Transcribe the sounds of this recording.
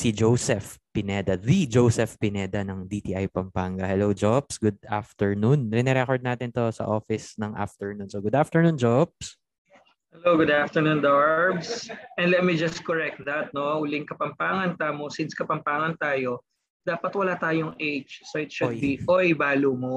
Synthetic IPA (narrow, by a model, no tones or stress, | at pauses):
sid͡ʒowsɛfpɪnɛd̪ɐðid͡ʒowsɛfpɪnɛːd̪ɐnɐŋd̪it̪iːʔajpɐmpaŋɡɐhɛlowd͡ʒopsɡʊd̪̚aft̪ɛɹnunɾɪnɛɾɛkoɹd̪̚naːt̪ɪnt̪osɐ̰ʔoːfɪsnɐŋʔa̰ft̪ɛɹnunsoɡʊd̪aft̪ɛɹnũːnd͡ʒop̚s | hɛlowɡʊd̪aft̪əɹnund̪aɹbsʔɛnd̪lɛt̪̚mid͡ʒɐst̪̚kɔɹɛk̚t̪̚ðɐt̪̚nouːlɪŋkɐpɐmpaːŋɐnt̪amosinskɐpɐmpaːŋɐnt̪aːjo̞ | d̪aːpɐt̪wɐlaːt̪aːjoŋʔejt͡ʃsoʔɪt̪ʃʊd̪biojbaːlumo